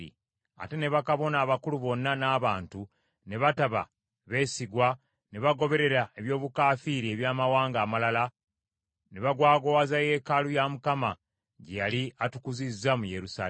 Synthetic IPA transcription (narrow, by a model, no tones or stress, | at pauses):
ḭ | a̰te̞ne̞βakaβo̞naːβakuluβo̞nːanaːβaːntu | ne̞βataβa̰ | βe̞ːsiɡwa | ne̞βaɡo̞βe̞ɾe̞ɾae̞βjo̞ːβukaːfiɾie̞βjaːmawaːŋɡaːmalala | ne̞βaɡwaːɡowazaje̞ːkalujamukama | ɟejaliatukuzizːamujeɾusa̰ː